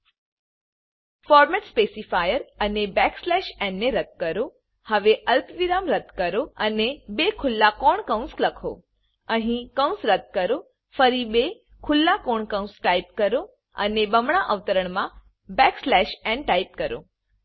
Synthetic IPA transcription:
fɔɾmɛʈspesifajəɾənebɛkslɛʃɛ̃ɳɖːeɾət̪̚kəɾo | həʋeʔəlt̪ʋiɾamɾəd̪kəɾoənebekʰʊlːakɔɳkə̃w̃nsləkʰo̰ | ə̃ɦĩkə̃w̃nsɾət̪̚kəɾo | fəɾibe | kʰʊlːakɔɳkəũsʈaip̚kəɾo | ə̰nebəmɳ̃aʔəʋt̪əɾəɳ̃mã | bɛkslɛʃɛ̃ɳɖʈaip̚kəɾo̰

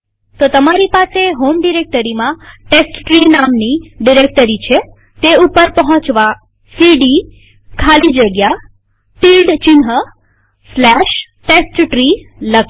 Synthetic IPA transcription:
t̪ot̪əmaɾipaseɦomɖiɾek̚ʈəɾimãʈesʈʈɾinamniɖiɾek̚ʈəɾit͡ʃʰe | t̪eupəɾpəɦɔ̃t͡ʃʋa | siɖi | kʰalid͡ʒəɡja | filɖt͡ʃɪnɦə | slɛʃ | ʈesʈʈɾilək

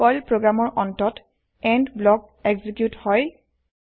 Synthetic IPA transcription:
ɔjlpɹoɡɹamɔɹʔɔntɔt | ɛndblɔk̚ | ɛɡzikjuthɔj

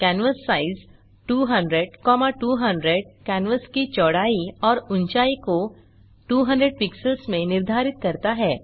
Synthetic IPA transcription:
kɛːnʋəsːaːɪz | ʈuːɦɐ̃ɳɖɾəɖkɔːmaʈuːɦə̃ɳɖɾeɖkɛːnʋəskit͡ʃɔːɽaːiɔːɾʊ̃nt͡ʃaːiko | ʈuːɦə̃ɳɖɾəɖ̚pɪksəlsmẽnɪɾd̪ʱaːɾɪt̪̚kɐɾt̪aɦɛː

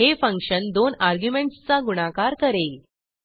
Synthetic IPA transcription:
ɦefə̃ŋkʂənd̪onaɾɡjumeɳʈst͡saɡuɽ̃akaɾkəɾel

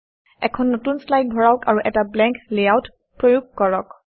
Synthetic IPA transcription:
ɛ̰kʰɔnːotunslajk̚bʱɔɹaʊkaɹuʔɛtablɛ̃ŋklejawt | pɹojuɡ̚ʱkɔɹɔk

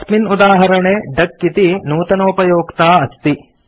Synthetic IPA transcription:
sminud̪aːɦɐɾɐɳeːɖɐkːit̪inuːt̪ɐnoːpɐjoːkt̪aːɐst̪i

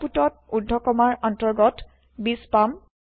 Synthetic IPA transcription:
putɔt̚udʱːɔkɔmaɹɔntɔɹɡɔt | bispam

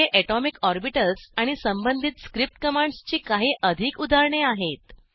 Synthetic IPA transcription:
eʔɛʈɔmikɔɾbiʈəlsaɽ̃isəmbənd̪ʱit̪skɾip̚ʈkəmãɳɖst͡ɕiːkaɦiːʔəd̪ʱiːkud̪ʱaɾɳeaɦet̪

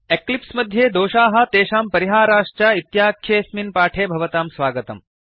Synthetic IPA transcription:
eklipsmɐd̪ʱjeːd̪oːʃaːɦɐ̆t̪eːʃaːmpɐɾiɦaːɾaːʂt͡ʃaːit̪jaːkʰjeːsminpaːʈʰeːbʱɐʋɐt̪aːmsʋaːɡɐt̪ɐ̰m

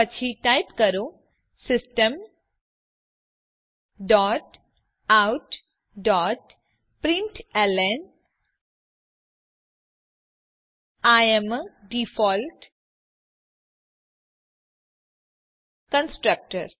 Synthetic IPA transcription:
ət͡ʃʰiʈajpkəɾo | sɪsʈəm | ɖɔːʈ | awʈ | ɖɔːʈ | pɾiɳʈelen | ajemɖifɔːlʈ | kənsʈɾək̚ʈəɾ

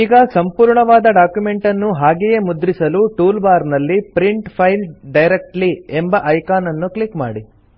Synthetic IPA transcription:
iːɡɐsɐmpuːɾɳɐʋaːd̪ɐɖaːkjume̞ɳʈɐnːuɦaːɡejemud̪ɾisɐluʈuːlbaːɾnɐlːipɾiɳʈpʰɐjlɖɐjɾek̚ʈliembɐʔɐjkaːnɐnːuklikmaːɽi

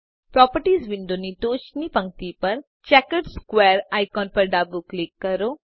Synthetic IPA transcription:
pɾɔːpəɾʈiːzʋɪ̃ɳɖoniʈoːt͡ʃnipɐ̃ŋ̚t̪ipɐɾ | t͡ʃɛːkəɾɖskweːɾaːɪkɔːnpɐɾɖaːbuklɪkːɐɾoː

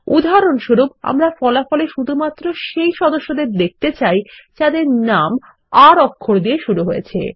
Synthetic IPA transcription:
ud̪ʱɦaɾonʃuɾuba̰mɾafɔlafɔleʃud̪ʱumat̪ːɾoʃejʃɔd̪oʃːod̪eɾd̪ek̚t̪et͡ɕajt͡ɕad̪eɾnam | aɾɔkʰːoɾd̪ijeʃuɾuɦojet͡ɕʰḛ

